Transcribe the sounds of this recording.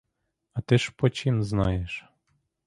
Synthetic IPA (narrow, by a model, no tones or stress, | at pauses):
ɑt̪ɪʃpɔt͡ʃimznɑjeʃ